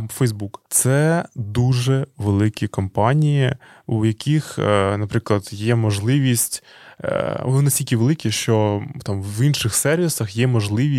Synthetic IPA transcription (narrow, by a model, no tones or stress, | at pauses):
fɛjzbukt̪sɛd̪uʒɛʋelˠɪkʲikɔmpɑnʲijiujɐkʲixnɐpɾɪklˠɐd̪jɛmɔʒlˠɪʋʲisʲtʲ | ɔnɪnɐsʲtʲilʲkʲɪʋelˠɪkʲiʃt͡ʃɔt̪ɑmʋinʃɪxsɛrʋʲisɐxjɛmɔʒlˠɪʋʲi